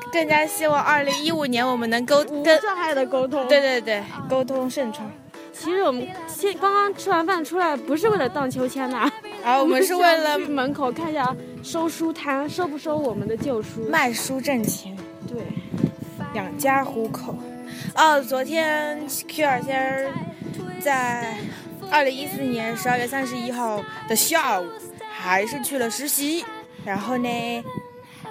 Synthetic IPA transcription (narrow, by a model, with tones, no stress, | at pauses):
kɤ˥˩ŋt͡ɕja˥ɕi˥wɑ˨˩ŋɐ˞˥˩li˧˥ŋi˥u˨˩njɛ˧˥nwɔ˨˩mə˦nɤ˧˥ŋko˥ʊkə˥ʂɑ˥˧ŋxa˥˩ɪd̪ə˩ko˥ʊt̪ʰʊ˥t̪ŋwe˥˧ɪt̪we˥˧ɪt̪we˥˩ɪko˥ʊt̪ʰʊ˥ŋʂə˥˧nʈ͡ʂʰwa˥˩ŋ | t͡ɕʰi˧˥ʂɻ̩˧˥wɔ˨˩mə˦n | ɕjɛ˥nkɑ˥ŋkɑ˥ŋʈ͡ʂʰwa˥nfa˥˩nʈ͡ʂʰu˥la˧˥ɪpu˧˥ʂ̬ɻ̩˥˧we˥˩ɪlə˩t̪ɑ˥˩ŋt͡ɕʰjo˧˥ʊt͡ɕʰjɛ˥na˨˩ | ə˥˩wɔ˨˩mə˦ʂɻ̩˥˧we˥˩ɪlə˩mə˧˥nkʰo˨˩ʊkʰa˥˧ni˧˩ɕja˥˩ | ʂo˥ʊʂu˥t̪ʰa˥nʂo˥ʊp̬u˥˩ʂo˥ʊwɔ˨˩mə˦nd̪ə˧t͡ɕjo˥˩ʊʂu˥ma˥˩ɪʂu˥ʈ͡ʂə˥˩ŋt͡ɕʰi˧˥ŋ | t̪we˥˩ɪ | ljɑ˨˩ŋt͡ɕja˥xu˧˥kʰo˨˩˦ʊ | ə˥˩t͡swɔ˧˥t̪ʰjɛ˥kʰu˥ə˞˨˩ɕ̬ɛ˥ | t͡sa˥˧ɪ | ə˞˥˩li˧˥ŋi˥sɹ̩˥˩njɛ˧˥nʂɻ̩˧˥ə˞˥˧ɥɛ˥˧˩sa˥nʂɻ̩˧˥i˥xɑ˥˩ʊd̪̥ə˩ɕja˥˧u˨˩xa˧˥ɪʂɻ̩˥˧t͡ɕʰy˥˩lə˩ʂɻ̩˧˥ɕi˧˥ | ɻa˧˥nxo˥˧ʊne˥˩ɪ